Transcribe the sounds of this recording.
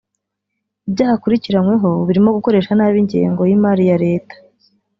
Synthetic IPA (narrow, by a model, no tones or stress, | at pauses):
ibɟaːhakuɾiciɾanwe̞ɦo̞βiɾimo̞ɡuko̞ɾe̞ːʃanaːβiɲɟḛːŋɡo̞jimaːɾijaɾe̞ːtḁ